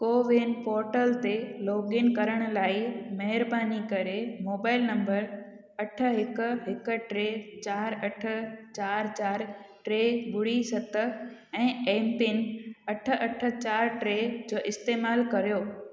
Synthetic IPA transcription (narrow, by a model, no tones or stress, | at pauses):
koːʋeːnpɔːɾʈəlt̪eloːɠɪnkɐɾəɽ̃ʊ̆laːɪimɐɦɪɾbaːnikɐɾemoːbaːɪlnɐ̃mbəɾ | ɐʈʰə̆ɦɪkʊ̆ɦɪkʊ̆ʈɾeːt͡ɕaːɾɐʈʰə̆t͡ɕaːɾt͡ɕaːɾʈɾeːbʊɽisɐt̪ʰə̆ɛ̃ːẽːmpɪnɐʈʰə̆ʔɐʈʰə̆t͡ɕaːɾʈɾeːd͡ʑoːʔɪst̪eːmaːlkɐɾijoː